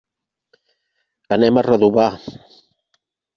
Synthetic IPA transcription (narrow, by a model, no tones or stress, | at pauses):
ənɛmarəðuβa